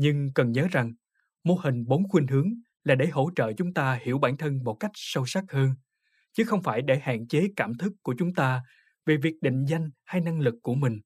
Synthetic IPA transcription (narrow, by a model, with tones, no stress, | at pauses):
ɲɨ˧ŋkə˨˩nɲəː˨˦za˨˩ŋ | mo˧hï˨˩ŋ̟ɓo˨˦nxwi˧n̟hɨ˨˦əŋ | laː˨˩ɗe˧˩ɦo˧˥t͡ɕə̰ː˧˨t͡ɕʊ˨˦ŋ͡mt̪aː˧hi˧˩əwɓaː˧˩nt̪ʰə˧nmo˨˩t̚ka˦˥jk̟̚sə˧wsa˦˥k̚həː˧n | t͡ɕɨ˨˦xə˧wŋ͡mfaː˧˩jɗe˧˩ha̰ː˧˨nt͡ɕe˨˦kaː˧˩mt̪ʰɨ˦˥kːu˧˩ət͡ɕʊ˨˦ŋ͡mt̪aː˧ | ve˨˩vi˨˩ək̚ɗḭ˧˨ŋ̟za˧jŋ̟ha˧jna˧ŋlɨ˨˩kːu˧˩əmï˨˩ŋ̟